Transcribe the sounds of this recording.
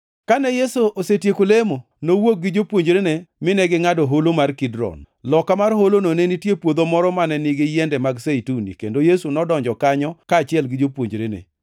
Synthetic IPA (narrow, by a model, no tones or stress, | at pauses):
kanɛjesoʔosetjekolemo | nowok̚ɡɪd͡ʒopwoɲd͡ʒɾenemɪnɛɡɪŋadɔɦolomarkidɾɔ̰n | lɔkamarɦolononenitjepwod̪omɔɾɔmanɛnɪɡɪjɛndɛmaɡseitunḭkendojesunɔdɔɲd͡ʒɔkaɲɔkaːt͡ʃɪɛlɡɪd͡ʒopwoɲd͡ʒɾenḛ